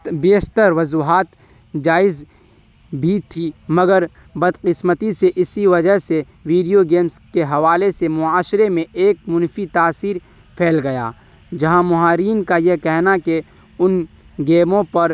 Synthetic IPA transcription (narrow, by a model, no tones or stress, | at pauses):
beːʃt̪əɾʋɐzuːɦaːt̪ | d͡ʒaːɪz | bʱit̪ʰimɐɡəɾ | bɐd̪qɪsmət̪iseʔɪsiʋɐd͡ʒəɦse | ʋiːɖijoɡeːmskeɦɐʋaːlesemʊaːʃɾemẽʔːk̚mʊnfit̪aːsiːɾ | pʰeːlɡɐja̰ː | d͡ʒɐɦãmʊɦaːɾiːnkajekɛɦnake | ʊn | ɡeːmõpɐɾ